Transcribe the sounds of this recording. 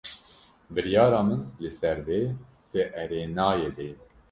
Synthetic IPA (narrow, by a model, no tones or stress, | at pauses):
bɨɾjɑːɾɑːmɨnlɨsɛɾveː | t̪ɨʔɛɾeːnɑːjed̪ɛj